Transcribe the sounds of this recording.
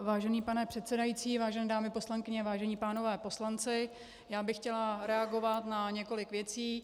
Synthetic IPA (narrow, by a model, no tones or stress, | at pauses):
vaːʒɛniːpanɛpr̥ɛt̪sɛdajit͡siːvaːʒɛnɛːdaːmɪposlaŋkɪɲɛvaːʒɛɲiːpaːno̞vɛːpo̞slant͡sɪ | jaːbɪxcɛlaɾɛaɡo̞vat̪naɲɛko̞lɪkvjɛt͡siː